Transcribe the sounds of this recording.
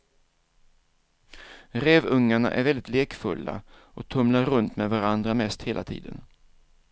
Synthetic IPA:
ɾeːvɵŋːaɳa̰ʔæ̰ɾvɛld̪ɪt̪leːkfɵlːa̰ | ʔɔk̚t̪ʰɵmlaɾːɵnt̪mɛvaɾand̪ɾamɛst̪heːlʔa̰t̪ʰḭːd̪ə̰n

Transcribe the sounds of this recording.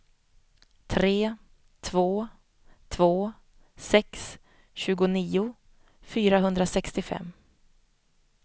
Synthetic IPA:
t̪ʰɾeː | t̪ʰvoː | t̪ʰvoː | sɛks | ɕʉ̟ːɡʊniːʊ | fyːɾaɦɵnd̪ɾasɛkst̪ɪfɛ̰mː

